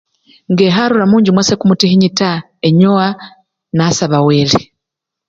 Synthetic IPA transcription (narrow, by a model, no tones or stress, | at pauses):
ŋɡeːɦaɾuɾamuːɲɟimwasekumutehiɲita | eɲowa | nasaβaweːle